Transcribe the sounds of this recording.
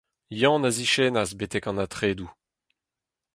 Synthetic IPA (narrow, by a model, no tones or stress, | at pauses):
jɑ̃naziʃeːnazbetɛkɑ̃nat̪χeːdu